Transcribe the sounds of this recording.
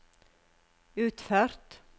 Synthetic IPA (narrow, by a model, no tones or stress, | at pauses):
ʉːt̪fœɾ̥t̪